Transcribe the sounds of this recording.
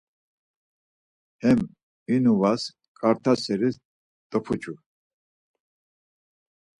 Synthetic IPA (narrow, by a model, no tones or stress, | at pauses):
hɛm | inuvas | kʼaɾt̪ʰasɛɾi | t̪ʼɔpʰut͡ʃʰʼu